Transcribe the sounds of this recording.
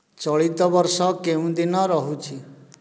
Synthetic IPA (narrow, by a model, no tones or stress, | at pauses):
t͡ʃɔɭit̪ɔbɔɾsɔkeũd̪inɔɾɔɦũt͡ʃʰi